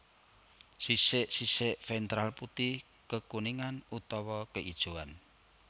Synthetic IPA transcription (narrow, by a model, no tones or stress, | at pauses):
sisɪʔsisɪʔfɛnt̪ɾalput̪ih | kəkuniŋanut̪ɔwɔkəʔid̥ʒ̥uan